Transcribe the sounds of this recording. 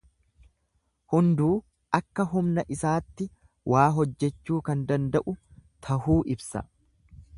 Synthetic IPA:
hʊnd̪uː | ʔɐkːɐɦʊmnɐʔɪsaːt̪ːɪ | wʔaːɦɔd͡ʒːɛt͡ʃːuːkɐnd̪ɐnd̪ɐʔʊt̪ʰɐhuːʔɪbsɐ̰

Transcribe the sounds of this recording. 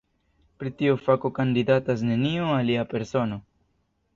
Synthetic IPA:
pɾitiofako̞kandidatas̬ne̞nioaliape̞ɾso̞no̞

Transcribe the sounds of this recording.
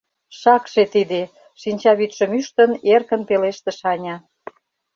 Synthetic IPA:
ʃɑkʃet̪id̪e | ʃinʲt͡ɕɑβyt̪ʃə̆myʃt̪ə̆nerkə̆npeleʃt̪ĕʃɑnʲɑ

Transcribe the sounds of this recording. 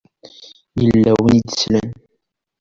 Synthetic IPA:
jəlːæwənid̪əslən

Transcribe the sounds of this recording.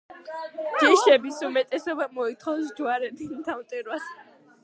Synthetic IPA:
d͡ʒ̥iʃɛbisumɛt̪ʼɛsɔbamɔit̪ʰχɔwsd͡ʒuaɾɛd̪id̪ʰamt̪ʼiɾwas

